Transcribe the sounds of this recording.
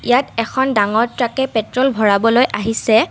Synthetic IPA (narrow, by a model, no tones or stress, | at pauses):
ijatɛkʰɔndaŋɔɹtɹakɛpɛtɹɔlbʱɔɹabɔlojʔaɦisɛ